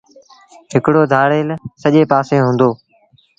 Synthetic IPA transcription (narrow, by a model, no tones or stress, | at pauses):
ɦɪkɽoːd̪ʱaːɽeːlsəʄeːpaːseːɦõːnd̪oː